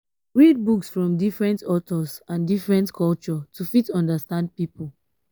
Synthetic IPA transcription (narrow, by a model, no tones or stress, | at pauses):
ɹid̚buksfɹɔ̃mdifɹɛ̃ntɔtɔsãndifɹɛ̃ntkʰɔlt͡ʃɔtʰufitɔ̃ndəstãnd̚pipul